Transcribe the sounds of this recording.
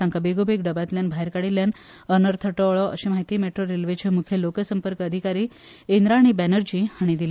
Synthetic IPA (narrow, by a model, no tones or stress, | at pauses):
ãŋkabeɡobekɖəbat̪ljanbʱaɦeɾkaɽiljan | ənəɾt̪ʰəʈoɔɭɔə̰ɕemaɦit̪iːmeʈɾoɾelʋet͡ɕʰemukʰjelokəsəmpəɾkəd̪ʱikaɾiː | end̪ɾaːɽ̃ibænəɾd͡ʑiːhaɽ̃id̪il